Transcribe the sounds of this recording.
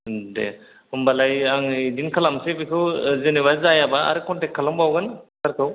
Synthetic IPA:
dḛ | ɯmbalajaŋdinkʰalamsebikʰɯwzeniβazajabaa̰ɾɯkʰɔntekʰːalɔmbawɡɯnsaɾkʰɯw

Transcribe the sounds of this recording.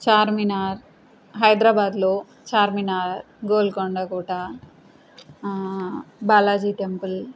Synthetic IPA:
t͡ʃaːɾminaːɾ | ɦɐjd̪ɾaːbaːd̪loː | t͡ʃaːɾminaːɾ | ɡoːlkoɳɖakuːʈaː | baːlaːd͡ʒiːʈempul

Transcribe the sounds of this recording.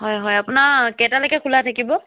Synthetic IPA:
ɦɔjɦɔjapʊnaɹkɛtalojkɛkʰulatʰakibɔ

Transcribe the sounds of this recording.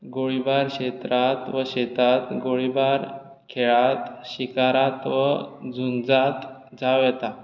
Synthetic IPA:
ɡoɭibaɾɕet̪ɾat̪ʋəɕet̪at̪ɡoɭibaɾ | kʰeɭat̪ɕikaɾat̪ʋəd͡zund͡zat̪ | d͡zaʋjɛt̪a

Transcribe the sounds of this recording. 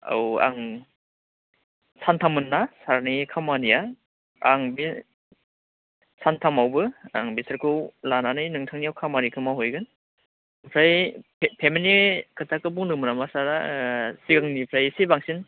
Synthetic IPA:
a̰wa̰ŋ | santʰamɯnːasaɾnikʰamanija | aŋbi | santʰamawbɯa̰ŋbisɯɾkʰɯwlananɯjnɯŋtʰaŋniawkʰamaɾikʰɯmaɦojɡɯn | pʰɾajpʰeminikʰɯtʰakɯbuŋnɯmɯnamasaɾasiɡaŋnipʰɾajsibaŋsin

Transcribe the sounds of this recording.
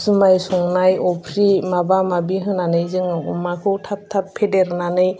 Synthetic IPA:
sɯmajsɔŋnajɔpʰɾimabamabiɦɯnanɯjzɯŋɔmakʰɯwtʰap̚tʰapʰːedeɾnanɯj

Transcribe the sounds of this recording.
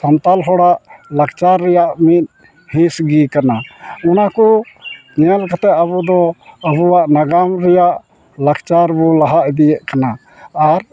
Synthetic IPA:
sant̪alɦɔɽaʔlak̚t͡ʃaɾːɛjaʔmit̪̚ˀ | hĩsɡikanaunakɔ | ɲɛalkat̪ɛt̪abud̪ɔəbuwaʔnaɡamɾɛjaʔ | lakt͡ʃaɾbɔlaɦaʔd̪ijɛʔkanaː | ɾ

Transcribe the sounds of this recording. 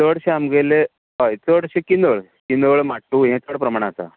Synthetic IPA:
t̪əɽɕeamɡele | ɦajt͡səɽɕekind̪əɭ | kind̪əɭmaʈːuɦẽt͡s̪əɽpɾəmaɽ̃at͡sa̰

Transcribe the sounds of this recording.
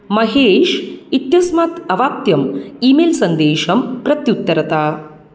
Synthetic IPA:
mɐɦeːʃit̪jɐsmaːt̪ɐʋaːp̚t̪jɐmiːmelsɐnd̪eːʃɐmpɾɐt̪jut̪ːɐɾɐt̪aː

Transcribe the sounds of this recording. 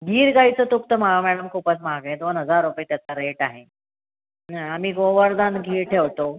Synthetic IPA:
ɡʱiːɾɡaɦit͡sət̪ukt̪əm̤aɡamɛɽəmkʰuːpəsmaɡẽd̪onɦəd͡zaɾːupet̪jat͡saɾeʈaɦe | aam̤iːɡoʋəɾd̪anɡʱiːɾʈʰeʋt̪o

